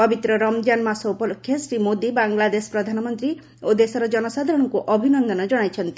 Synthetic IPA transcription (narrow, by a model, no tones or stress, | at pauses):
pɔbit̪ɾɔɾɔmd͡ʒanmasɔupɔlokʰːjɔsɾimod̪ibaŋlad̪esɔ̥pɾɔd̪ʱanɔmɔnt̪ɾi | od̪esɔɾɔd͡ʒɔnɔsad̪ʱaɾɔɽ̃ɔŋkuʔɔbʱinɔnd̪ʱɔnɔd͡ʒɔɽ̃ajt͡ʃʰɔnt̪i̥